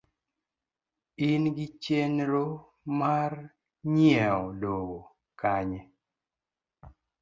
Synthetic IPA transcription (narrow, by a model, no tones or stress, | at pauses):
inɡɪt͡ʃjenɾo | mar | ɲjɛɔloɡo | kaɲe